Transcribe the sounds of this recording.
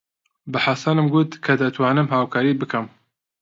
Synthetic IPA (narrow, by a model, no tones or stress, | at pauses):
bɨħasɑnɨmɡut̪kʰɐd̪at̪ʰwaːnɨmɦaːwkʰaːɾiːbɨkʰɐm